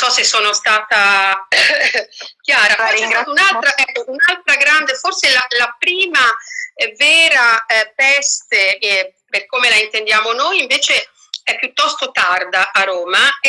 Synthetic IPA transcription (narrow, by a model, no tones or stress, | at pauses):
sɔsːesːoːnost̪aːt̪a | k̟jaːɾakaliɡɾaunalt̪ɾaʔɛkːounalt̪ɾaɡɾand̪eforselalapɾiːmavɛːɾapɛst̪eperkoːmelaint̪end̪jaːmonojiɱveːt͡ʃe | ɛpːjut̪ːɔst̪ot̪ard̪aʔaɾoːma